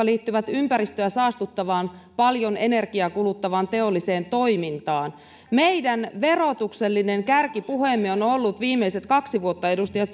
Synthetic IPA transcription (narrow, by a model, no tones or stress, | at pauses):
ɑliːt̪ːyʋæt̪ympæɾist̪øæsɑːst̪ut̪ːɑʋɑːnpɑljo̞ne̞ne̞rkiɑkulut̪ːɑʋɑnt̪e̞o̞lːise̞ːnt̪o̞imint̪ɑːn | mejdænʋe̞ro̞t̪ukselːine̞ŋkærkipuhemːionolːut̪ʋiːmːeise̞t̪kɑksiʋuot̪ːɑe̞dust̪ɑjɑt̪